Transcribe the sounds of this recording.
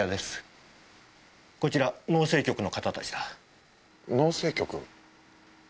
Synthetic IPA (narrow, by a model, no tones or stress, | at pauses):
ad̪e̞sɨ̥ | ko̞t͡ɕiɾano̞ːse̞ːkʲo̞kɯ̟no̞kat̪at̪at͡ɕi̥d̪a | no̞ːse̞ːkʲo̞kɯ̟̰